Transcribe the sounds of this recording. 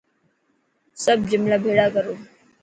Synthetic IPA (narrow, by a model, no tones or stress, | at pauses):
səb̚d͡ʑimlabʱeɭakəɾoː